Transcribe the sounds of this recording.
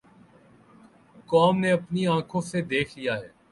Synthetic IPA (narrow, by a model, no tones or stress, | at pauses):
kɔːmneɐpniãːkʰõsed̪eːkʰlijaɦɛː